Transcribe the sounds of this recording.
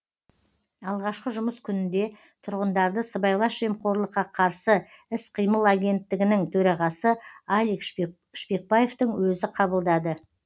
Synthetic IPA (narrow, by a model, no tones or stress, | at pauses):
ɑlˠʁɑʃqəʒʊməskʲʰʏnɪnd̪e̞ | t̪ʰʊɾʁənd̪ɑɾd̪əsəbɑjlˠɑsʒ̥e̞mqʰo̞ɾlˠəqːɑqʰɑɾsəɪsqʰijməlˠaɡʲe̞nt̪ːɪɡʲɪnɪŋt̪ʰɵɾɑʁɑsəalʲik | ʃpe̞k̚baje̞ft̪əŋwɵzɪqʰɑbəlˠd̪ɑd̪ə